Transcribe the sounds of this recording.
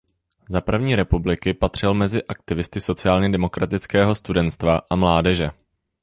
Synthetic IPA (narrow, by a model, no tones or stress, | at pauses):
zapr̩vɲiːɾɛpublɪkɪpat̪r̝̥ɪlmɛzɪʔak̚t̪ɪvɪst̪ɪso̞t͡sɪaːlɲɛdɛmo̞kɾat̪ɪt͡skɛːɦo̞st̪udɛnt̪st̪vaʔamlaːdɛʒɛ